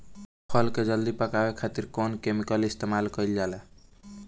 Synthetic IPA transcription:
pʰəlked͡ʒəld̪ipəkabekʰat̪iɾkonkemikəlist̪emalkəild͡ʒalɛ

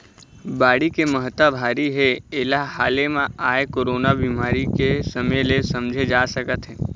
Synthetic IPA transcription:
baːɽikeməɦət̪abʱaːɾiɦeeːlahaːlemãaːekoɾoːnabimaːɾikesəmelesəmd͡ʒʱed͡ʒaːsəkət̪ɦɛ̃ː

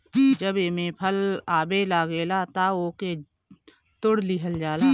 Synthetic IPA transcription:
d͡ʒəbeːmẽpʰəlaːbelaːɡeːlat̪aoːke | t̪ʊɽliɦəld͡ʒaːlaː

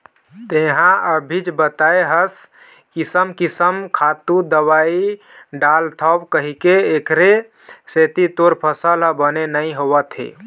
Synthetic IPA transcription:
t̪eɦãəbʱid͡ʒbət̪aeɦəs | kisəmkisəmkʰat̪ud̪əwai | ɖalt̪ʰəbkəɦikeːkɾe | set̪it̪oɾpʰəsəlɦəbənenəĩɦowət̪ɦḛ

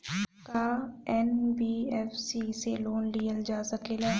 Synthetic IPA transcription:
kaɛnbiːɛːfsiseloːnlijəld͡ʒaːsɐkelaː

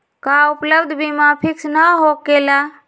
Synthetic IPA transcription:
kaupləbd̪ʱbimapʰiksnəɦokela

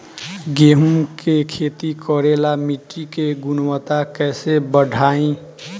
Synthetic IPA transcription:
ɡeɦumkekʰet̪ikɔɾelamiʈːikeɡunwət̪akɛsebəɖʱaĩ

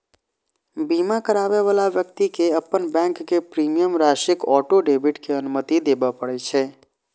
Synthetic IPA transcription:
bimakəɾabeʋalaʋjək̚t̪ikeəpːənbɛ̃ːŋkːepɾimijəmɾaʃɪkɔːʈoɖebɪʈkeənʊmət̪id̪ebəpəɽɛt͡ʃʰɛ

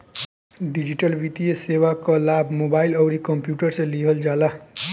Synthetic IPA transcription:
ɖid͡ʒiʈʌlʋit̪ijesewakʌlabʱmobailʌwɾikʌmpjuʈʌɾsʌ̃liɦʌld͡zala

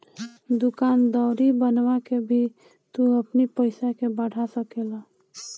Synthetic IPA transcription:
d̪ʊkaːnd̪ɔːɾibənʋakebʱi | t̪uəpnipəɪsakebəɽ̤ʱasəkela

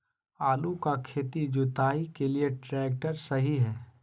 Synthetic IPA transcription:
aːlukakʰeːt̪id͡ʒʊt̪aːikelieʈɾɛːk̚ʈəɾsɐɦiɦɛː

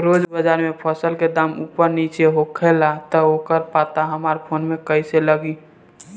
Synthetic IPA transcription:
ɾod͡ʒbəd͡ʒaɾmepʰəsəlked̪aːmupəɾnit͡ʃeɦokʰelat̪əokəɾpat̪aɦəmaɾpʰonmekəiseləɡi

